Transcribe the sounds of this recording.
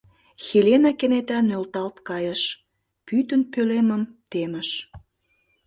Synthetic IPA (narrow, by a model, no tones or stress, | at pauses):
xelʲenɑkenet̪ænølt̪ɑlt̪kɑjəʃ | pyt̪ənpøleməmt̪emə̆ʃ